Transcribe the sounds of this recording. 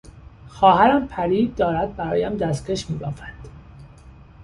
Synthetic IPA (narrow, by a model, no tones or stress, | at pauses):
xɒːhæɾæmpʰæɾiːd̪̚d̪ːɒːɾæd̪̚bæɾɒːjæmd̪æst̪kʰeʃmiːbɒːfænd̪̥